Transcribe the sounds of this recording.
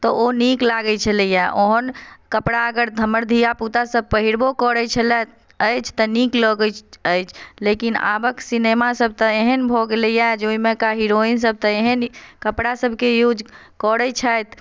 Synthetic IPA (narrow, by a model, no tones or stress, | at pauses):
t̪ɔoniklaɡət͡ʃʰələjaʔoɦənkəpɽaəɡəɾd̪ʱəməɾd̪ʱijaput̪asəb̚pəɦiɾbokɔɽət͡ʃʰəlɛ | əjt͡ʃʰt̪ɔniklɔɡət͡ʃəjt͡ʃʰlekina̰bəksinemasəb̚ʱt̪əeɦənbʱoɡeləjad͡ʒoimẽkaɦiɾoins̬əb̚ʱt̪ɔeɦənkəpɽasəbʱkejud͡ʒ | kɔɽət͡ʃʰajt̪